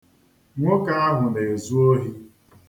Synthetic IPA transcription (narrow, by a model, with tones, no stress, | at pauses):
ŋʷo˦ka˦a˦ɦʊ˨ne˨e˨zu˦o˦ɦi˦